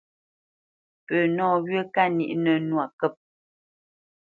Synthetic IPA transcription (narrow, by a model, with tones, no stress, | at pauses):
pə˨nɔː˦˨ɣɥə˦ka˦nḭ˨ʔnə˨nwa˨kə˦˨p̚